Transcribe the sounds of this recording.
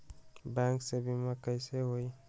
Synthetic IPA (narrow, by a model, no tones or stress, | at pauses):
bɛŋksebimakəjseɦoi